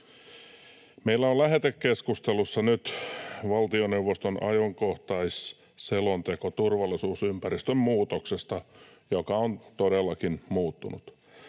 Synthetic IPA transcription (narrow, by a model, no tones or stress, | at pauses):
meilːæolæɦet̪ekːeskust̪elusːɑnyt̪ʋɑlt̪ioneuʋːost̪onʔɑ̰joŋkoht̪ɑis | selont̪ekot̪urʋɑlːˑisuːsympæɾist̪ømmuːt̪oksest̪ɑjokɑont̪oɾelːɑkinmuːt̪ːunṵt̪